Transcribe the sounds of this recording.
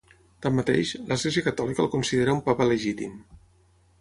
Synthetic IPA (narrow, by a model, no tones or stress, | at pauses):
t̪amːat̪ḛʃləzɣleziəkət̪ɔlikəlˠkunsiðeɾəumpapələʒit̪im